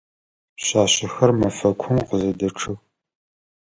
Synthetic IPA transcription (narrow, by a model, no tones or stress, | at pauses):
ɕaːɕɪxɐrmɐfɐkʷʰʊmqəzɐdɐʈ͡ʂʰɨx